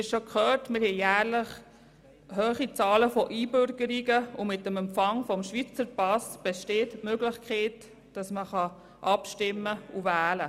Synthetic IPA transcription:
ɪʃokʰχœːtmɪɾhɛjæːɾləχ | hœːχit͡sɑːləfɔʔiːbʏɾɡəɾiɡəʊmɪtːəmɛmpfɑŋfɔmʃʋit͡səɾpɑsb̥ɛʃteːtmøɡlɪχkʰχeːt | d̥ɑsməχɑ | ʔɑpʃtɪmːəuvæːlə

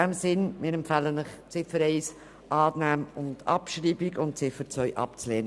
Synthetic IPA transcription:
ɛmsɪnmɪ̰ːɾɛmpfɛlənəχt͡sɪfəɾɛɪs | ʔɑːnæːmʊndɑ̰pʃɾiːbiɡʊnt̚t͡sɪfəɾt͡sʋœʏʔɑ̰pt͡sleːn

